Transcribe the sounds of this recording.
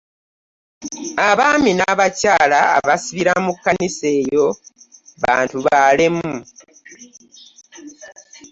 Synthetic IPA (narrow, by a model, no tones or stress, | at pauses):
aβaːminaβacaːla̰ːβasiβiɾamukːanise̞ːjo̞ | βa̰ːntuβalemːu